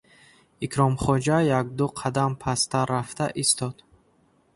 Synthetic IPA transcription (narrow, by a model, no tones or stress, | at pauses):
ikʰɾɔmχɔd͡ʒajaɡ̚d̪uqʰad̪ampʰast̪aɾaft̪ʰaʔist̪ʰɔd̪̥